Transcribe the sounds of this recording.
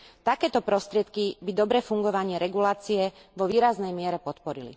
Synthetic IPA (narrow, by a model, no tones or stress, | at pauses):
t̪akɛːt̪ɔpɾɔst̪ɾɪɛt̪kibid̪ɔbɾɛːfuŋɡɔʋaɲɪɛɾɛɡulaːt͡siɛ | ʋɔʋiːɾaznɛjmɪɛɾɛpɔt̪pɔɾilḭ